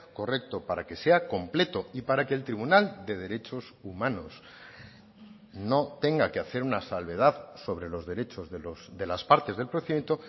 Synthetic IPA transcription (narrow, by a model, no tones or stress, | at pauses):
ko̞re̞k̚t̪o̞paɾake̞se̞ako̞mple̞t̪o̞ipaɾake̞ːlt̪ɾiβunald̪e̞ð̞e̞ɾe̞t͡ʃo̞sumãno̞s | no̞t̪e̞ŋɡakeaθe̞ɾunasalβe̞ð̞aðso̞βɾe̞lo̞zðe̞ɾe̞t͡ʃo̞zðelosd̪e̞laspaɾt̪e̞zðelpɾoθient̪o